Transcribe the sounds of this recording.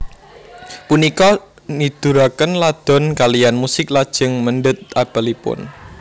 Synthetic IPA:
punikɔ | nid̪̥uɾakənlad̪̥ɔ̤nkalijanmusɪk̚lad̥ʒ̥ə̤ŋmənɖʊt̪̚ʔab̥a̤lipʊ̰n

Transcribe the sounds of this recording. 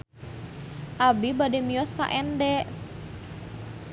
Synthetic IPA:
ʔabibademiɔska̰ʔɛndɛ

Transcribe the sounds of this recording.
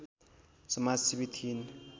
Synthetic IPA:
səmasibit̪ʰin

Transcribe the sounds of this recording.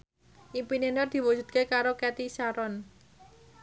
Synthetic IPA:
ʔimpinenɔrd̪̥i̤wud͡ʒ̥ṳt̪̚kekaɾokɛt̪isaɾɔn

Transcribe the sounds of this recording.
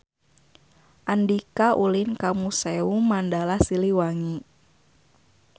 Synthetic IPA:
ʔandikaʔulinkamusɛumandalasiliwaŋi

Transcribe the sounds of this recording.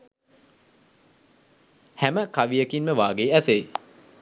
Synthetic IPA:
hæməkaʋijəkinməʋaːɡeːæse

